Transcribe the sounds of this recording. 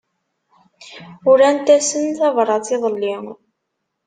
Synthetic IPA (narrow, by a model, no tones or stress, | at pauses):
ʊɾænt̪æsənθɑvɾˤɑt͡siðˤəlːiŋ